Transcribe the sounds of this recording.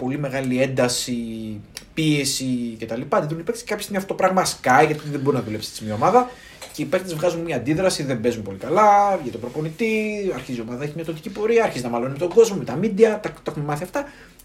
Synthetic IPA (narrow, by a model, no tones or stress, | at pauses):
po̞lime̞ɣɐlie̞nd̪ɐsi | pie̞sice̞t̪ɐlipɐt̪eðunipekt̪skɐpçost̪imiɐft̪ot̪opɾɐɣmɐskɐjɣɐt̪ipit̪ðebo̞ɾinɐðule̞psst̪smɲɐomɐðɐ | ce̞ipeɾkt̪ezvɣɐzumemɲɐːnd̪iðɾɐsiðembe̞zumepo̞likɐlɐvʝet̪obɾo̞po̞nit̪iɐɾçizio̞mɐðɐeçimɲɐt̪ot̪icipo̞ɾiɐːɾçizinɐmɐlonimet̪o̞ŋɡo̞zmo̞met̪ɐmid̪iɐt̪ɐkt̪exumemɐθiɐft̪ɐ